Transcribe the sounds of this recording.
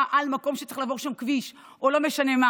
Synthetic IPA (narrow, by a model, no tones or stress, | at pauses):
ʔalmako̞mʃe̥t͡se̥χlavo̞ʁʃamkviʃ | ʔolo̞meʃane̞ma